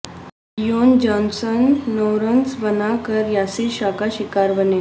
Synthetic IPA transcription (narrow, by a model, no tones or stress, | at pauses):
jond͡ʑɔnsənːowɾənsbənakəɾjasiɕakaɕikaɾbəne